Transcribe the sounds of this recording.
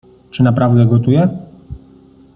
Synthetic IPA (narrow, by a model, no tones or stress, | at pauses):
t͡ʂɘnapɾavd̪ɛɡɔt̪ujɛ